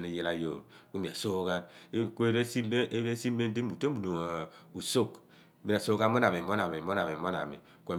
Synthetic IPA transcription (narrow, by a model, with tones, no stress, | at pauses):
ni˦ji˦la˦jo̰˨ku˦mi˨a̰˨so˦ka˦n˦kʷe˦ɾe˦si˦e˦si˦me˦n˦di˦u˨tu˨do˨ŋ˨u˨so˦˨k | mi˦na˨so˦ka˦mo˦na˨mi˨mo˦na˨mi˨mo˦na˨mi˨mo˦na̰˨mḭ˨ | kʷe˨